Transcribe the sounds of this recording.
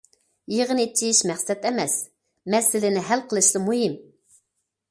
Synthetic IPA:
jeʁənet͡ʃʰːiʃmɛχsɛt̪ɛmɛs | mɛsɪlɪnɪɦælqʰəlˠɨʃlˠɨmuɦɪm

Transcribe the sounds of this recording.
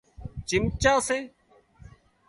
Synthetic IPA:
t͡ʃɪmt͡ʃaːseː

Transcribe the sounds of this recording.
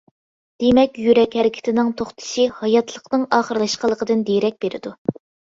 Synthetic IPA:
d̪̥emɛkʲjyɾɛkʲhɛɾɪkʲʰɪ̥t̪ʰɪnɪŋt̪ʰoχt̪ʰɨ̥ʃihɑjɑt̪ʰlˠəqnɨŋɑːχəɾlˠɑʃqəlˠəqʰəd̪ɨnd̪ejɾɛk̚ʲb̥eɾɪ̰d̪u

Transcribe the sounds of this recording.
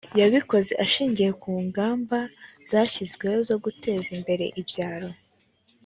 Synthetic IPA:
jaβiko̞ze̞ʔaʃiːɲɟije̞kuːŋɡaːmbaz̥aːçizɡwe̞zo̞ɡutʰe̞ːzimbe̞ɾe̞̰ʔibjaːɾo̞

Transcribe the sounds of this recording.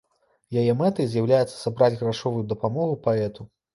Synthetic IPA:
jajɛmɛt̪ɐjzʲjawlʲajɛt̪sːɐ̥sabɾad͡zʲɣɾaʂɔvujud̪ɐpamɔɣupaɛt̪u

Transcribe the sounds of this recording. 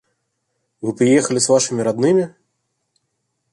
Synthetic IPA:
vɨpɾɨjɛxɐlʲisvaʂɨmʲiɾad̪nɨmʲi

